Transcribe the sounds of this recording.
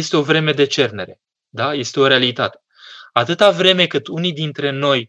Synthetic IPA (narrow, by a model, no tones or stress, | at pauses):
est̪e̞o̞vɾe̞me̞d̪e̞t͡ʃe̞rne̞ɾe̞ | d̪aje̞st̪e̞o̞ɾe̞alit̪at̪e̞̥ | at̪ɨt̪avɾe̞me̞kɨt̪unijd̪int̪ɾe̞no̞j